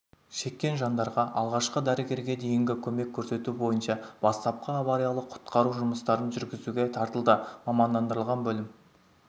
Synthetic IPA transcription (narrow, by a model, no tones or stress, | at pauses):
ʃe̞kʲːe̞nʒɑnd̪ɑɾʁɑʔɑlˠʁɑʃqəd̪æɾɪɡʲe̞ɾɡʲe̞d̪e̞jɪŋɡʲɪkʲʰɵme̞kʲʰːɵɾse̞t̪ubo̞jənʃɑb̥ɑst̪ɑp̚qəɑβɑɾijɑlˠəqʰʊ̥t̪qɑɾuʒʊməst̪ɑɾənʒʏɾɡʲɪzuɡʲet̪ʰɑɾt̪əlˠd̪əmɑmɑnd̪ɑnd̪əɾəlˠʁɑnbɵlɪm